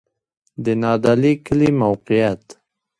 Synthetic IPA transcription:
d̪ənɑːd̪alikəlimawqijat̪

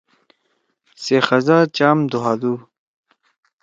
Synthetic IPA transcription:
sexɐzat͡ɕaːmd̪uɦaːd̪u

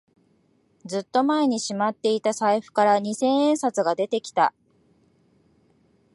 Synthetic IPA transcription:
d͡zɨt̪ːo̞mae̞ɲ̟iɕimat̪ːe̞it̪asaiɸɯ̟̥kaɾaɲ̟isẽ̞ɰ̃ẽ̞ɰ̃sat͡sɨɡad̪e̞t̪e̞kʲi̥t̪a

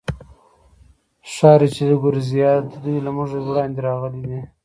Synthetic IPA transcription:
ʃɑɾet͡ʃed̪əɡʊɾzijɑd̪əd̪ujlamʊʒewɽɑnd̪eɾɑɣəlid̪i

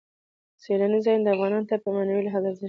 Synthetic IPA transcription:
selanizɑjnd̪əafɣɑnɑnot̪apəmanawilaɦɑd̪aza

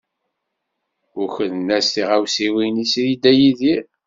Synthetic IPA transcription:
ʊçənnæsθiʁæwsiwinisjid̪æjiði

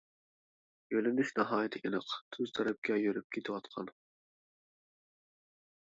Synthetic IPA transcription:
jølɪnyʃnɨɦɑːjit̪ʰɪʔʲinɨqt̪ʰøzt̪ʰɛɾɛp̚kʲʰɛjøɾyp̚kʲʰet̪ʰɪwɑt̪qʰɑ̰n

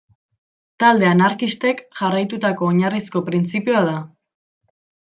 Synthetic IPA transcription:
t̪ald̪e̞anaɾkist̪e̞kʝarajt̪ut̪ako̞ːɲarisko̞pɾint͡sipioað̞a

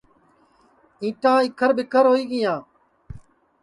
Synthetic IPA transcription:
ĩːʈãːɪkʰəɾbɪkʰəɾɦoːiːɠɪjãː

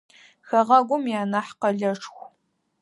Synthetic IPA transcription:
xɐʁɐɡʷʊmjaːnɐħqɐɮɐʈ͡ʂʰxʷ

